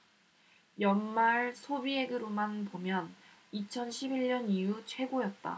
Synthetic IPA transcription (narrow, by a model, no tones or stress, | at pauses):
jʌnmaɭsʰobie̞ɡɯɾomanpomjʌn | it͡ɕʰʌnɕʰibiɭɲʌnijut͡ɕʰwe̞ɡojʌt̚t͈a̰